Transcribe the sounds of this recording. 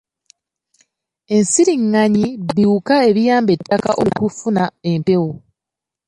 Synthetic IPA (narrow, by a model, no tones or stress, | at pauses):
e̞nsiɾiŋːaɲibiukae̞βijaːmbe̞tːaka̰ʔokufunae̞mpe̞wo